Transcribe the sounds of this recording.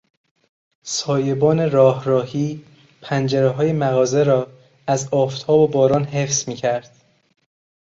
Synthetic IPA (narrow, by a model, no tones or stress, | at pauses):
sɒːjebɒːne̞ɾɒːhɾɒːhiː | pʰænd͡ʒeɾeɦɒːje̞mæɣɒːze̞ɾɒː | æzɒːft̪ʰɒːbobɒːɾɒːnɦe̞fz̥miːcʰæɾd̪̥